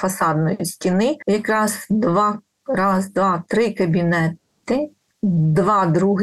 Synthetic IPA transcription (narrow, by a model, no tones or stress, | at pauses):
fɐsɑd̪nɔjʊsʲtʲinɪjɐkɾɑz̥d̪ʋɑ | ɾɑzd̪ʋɑt̪ɾɪkɐbʲinɛt̪ɪ | d̪ʋɑd̪ɾuɦ